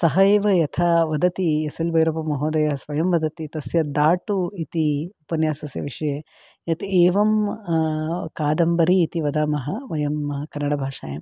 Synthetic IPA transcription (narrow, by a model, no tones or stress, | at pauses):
sɐɦɐeːʋɐjɐt̪ʰɐʋɐd̪ɐt̪iesɐlbʱɐjɾɐpɐmɐɦoːd̪ɐjɐɐsʋɐjɐmʋɐd̪ɐt̪it̪ɐsjɐd̪aːʈuit̪iupɐnjaːsɐsjɐ̰ʋiʂɐjeː | jɐt̪ʰeːʋɐm | kaːd̪ɐmbɐɾiːt̪iʋɐd̪aːmɐɦɐʋɐjɐmkɐnːɐɽɐbʱaːʂa̰ːjɐm